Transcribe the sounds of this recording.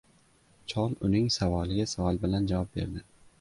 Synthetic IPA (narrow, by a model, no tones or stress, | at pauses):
t͡ʃʰɒnʊnɪŋsavɒlɪɡʲasavɒlˠbɪland͡ʒavɒp̚be̞̰ɾd̪ɪ